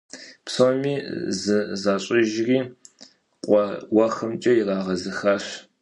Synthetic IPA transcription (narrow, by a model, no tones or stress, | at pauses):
psomiːzɨzaːɕʼɪʒriː | qʷʼɔwɐxɐmt͡ʃʼɐjɪraːʁɐzɨxaːɕ